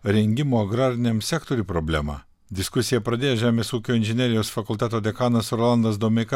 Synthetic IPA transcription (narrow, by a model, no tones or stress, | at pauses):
ɾʲɛŋʲɡʲɪmoːɐɡɾɑːɾʲɪnʲɛmsʲæːkt̪oɾʲuːpɾoːbʲlʲæ̰mɑ̰ː | d̪ʲɪskʊsʲɪjɛpɾɐd̪ʲeːjoʒʲæːmʲeːsuːkʲoːɪnʲʒʲɪnʲɛɾʲɪjoːsfɐkʊlˠʲt̪ʲæt̪oːd̪ʲɛkɑːnɐsɾolˠɐnd̪ɐsd̪omʲɛkɐ